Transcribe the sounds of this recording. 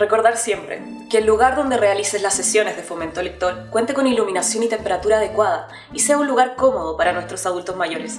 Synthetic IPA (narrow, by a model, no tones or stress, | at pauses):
re̞ko̞ɾðaɾsje̞mpɾḛ | ke̞ːlːuɣaɾðo̞nd̪e̞re̞aliseslasːesjo̞ne̞zðefo̞ment̪oelek̚t̪o̞ɾkwe̞nt̪eko̞niluminasjo̞nit̪e̞mpe̞ɾat̪uɾaːð̞ekwað̞a | ise̞aunlːuɣaɾko̞mo̞ð̞opaɾanwe̞st̪ɾo̞saðult̪o̞smaʝo̞ɾes